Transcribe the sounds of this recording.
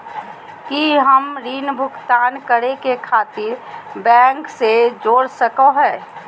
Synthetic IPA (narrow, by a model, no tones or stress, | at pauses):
kiɦəmɾiːnbʱʊkt̪aːnkəɾekekʰaːt̪ɪɾbɛ̃ːŋksed͡ʒoːɽsəkoɦɛː